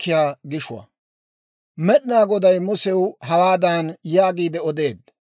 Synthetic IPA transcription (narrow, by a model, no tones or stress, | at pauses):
ɪjaːɡɪʃʊwɐ̰ | mɛɗnaːɡɔd̪ɐjmʊsɛwɦɐwaːd̪aːnjaːɡiːd̪ɛɔd̪e̞ːd̪